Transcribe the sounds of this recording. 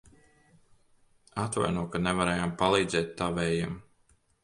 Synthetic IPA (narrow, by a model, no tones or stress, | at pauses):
at̪va̰jnuɔkanɛvaɾɛːjampalˠiːd̪zɛːt̪ːaːvɛjam